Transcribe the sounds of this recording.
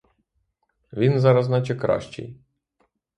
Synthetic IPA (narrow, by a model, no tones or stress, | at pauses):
ʋʲinzɑɾɐznɑt͡ʃɛkɾɑ̰ʃt͡ʃɛ̰j